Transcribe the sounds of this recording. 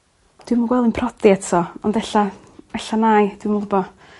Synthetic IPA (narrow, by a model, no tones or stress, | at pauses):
d̥wɪmuɡwɛlˠinpʰrɔdiɛtʰɔɔndɛɬa | ɛɬanaːjd̥wɪmlˠɔbɔ